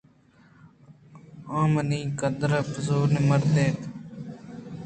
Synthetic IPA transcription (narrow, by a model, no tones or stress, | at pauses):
ãːmənĩːkəd̪əɾəpəzuːneməɾt̪eːt̪